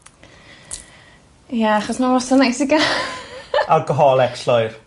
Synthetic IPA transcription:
jaaχɔsmawɔsanajsɪɡa | aɡəɦɔlˠɛkslɔjr

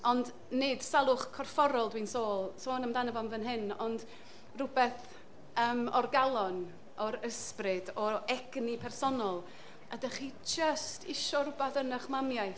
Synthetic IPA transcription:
ɔnd | nɨd̥salˠʊχkʰɔrfɔɾɔlˠdwinsoːlˠsoːnəmdanəvɔnvənɦɪnɔnd | rʊbɛθ | əːmɔrɡalˠɔn | ɔɾəsprɨdɔɛɡ̥nipʰɛrsɔnɔlˠ | ədaχiːd͡ʒəstʰɪʃɔɾʊbaθənəχmamjaj

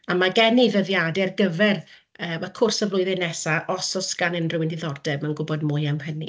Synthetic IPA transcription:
amaɡɛniðəðjadɛrɡəvɛr | əːmakʰʊrsəvlˠʊɨðɛnɛsaʔɔsɔsɡ̥anənrʊwɪndɪðɔrdɛbmanɡʊbɔdmʊjamhənḭ

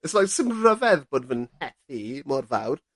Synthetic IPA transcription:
əslajksɪmrəvɛðboːdvənhɛthimɔrva̰wr

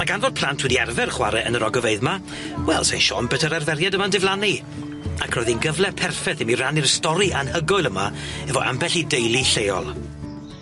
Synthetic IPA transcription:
maɡanvoːd̚pʰlˠantʰwɪdiɛrvɛrχwa̰ɾɛʔənəɾɔɡɔveɨðma | wɛlˠsajnʃɔ̰mbətʰəɾarvɛɾjadəmandɪvlˠani | akʰrɔjðinɡəvlɛpʰɛrfɛθɛmiranirstɔɾianhəɡɔɨlˠəmaɛvɔʔa̰mbɛɬidejlˠiɬejɔ̰lˠ

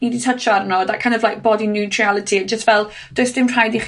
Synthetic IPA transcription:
niditʰət͡ʃɔaɾnɔðaʔkʰãj̃ndɔvlajk̚b̥ɔdinjutʰɹialˠɪtʰiət̚d͡ʒʒ̥əstvɛlˠ | d̥ʊɨsd̥ɪmr̥ajdiχ

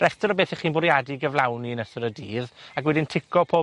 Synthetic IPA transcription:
ɾɛstəɾɔbeːθɛχiːnbʊɾjadiɡəvlˠawninəsʊɾədiːðakwɛdɪntʰɪkʰɔpʰoː

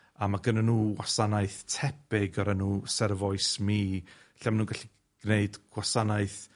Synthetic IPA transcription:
amaɡənanuːwasanaɨθtʰɛpɪɡɔɾanuːsɛrvɔɨsmi | ɬamanuːnɡaɬi | ɡ̥neɨdɡ̥wasanaɨθ

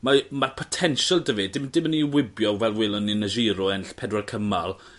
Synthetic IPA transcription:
mamarpʰɔtʰɛnʃəlˠdəvɨdɪmdɪmənːiwɪbjɔvɛlˠwɪlˠɔnɪnəʒiːɾɔɛnɬpʰɛdwarkʰəmalˠ

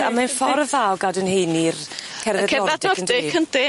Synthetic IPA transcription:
a̰manfɔɾəðawɡadənhejnir | kʰɛrðɛkʰɛɔvɛdɪnɔndɪkʰənd̥ɪ

